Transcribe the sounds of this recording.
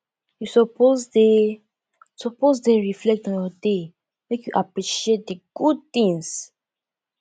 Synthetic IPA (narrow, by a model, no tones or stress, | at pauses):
jusɔpozde | sɔpozdeɹiflɛk̚tɔ̃njɔde | mekjuʔapɹiʃiet̚diɡ̥ud̚t̪ĩŋs